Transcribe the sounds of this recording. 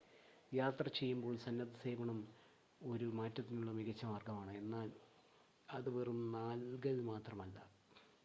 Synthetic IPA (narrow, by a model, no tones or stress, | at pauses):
jaːt̪rɐt͡ɕe̞jːumbo̞ːɭsɐnːɐd̪ɐse̞ːbɐɳɐm | o̞ɾumaːtːɐt̪ːinuɭːɐmiɣɐt͡ɕːɐmaːrɡɐmaːɳɨe̞nːaːl | ɐðɨʋerumnaːlɡɐlmaːt̪rɐmɐlːɐ